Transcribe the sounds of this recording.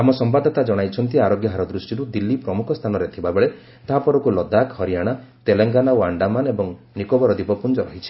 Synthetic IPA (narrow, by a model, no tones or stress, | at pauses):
amɔsɔmbad̪ʱɔt̪ad͡ʒɔɽ̃ajt͡ʃʰɔnt̪iaɾoɡjɔɦaɾɔd̪ɾusʈiɾud̪ilːipɾɔmukʰɔst̪ʰanɔɾet̪ʰibabeɭe | t̪ɔɦapɔɾɔkulɔd̪akhɔɾijaɽ̃at̪eleŋɡanaoaɳɖamanebɔŋ | nikobɔɾɔd̪ipɔpund͡ʒɔɾɔɦit͡ʃʰi̥